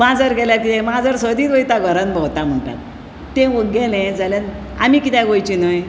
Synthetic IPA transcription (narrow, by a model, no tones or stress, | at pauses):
mad͡zəɾɡɛljakit̪ɛ̃mad͡zəɾsəd̪iːt̪ʋəit̪aɡʱəɾənbɔwt̪am̤əɳʈa̰t̪̚ | t̪ːẽʋəɡelɛ̃d͡zaljan | a̰mikit̪ɛ̃ɡojt͡ɕinəj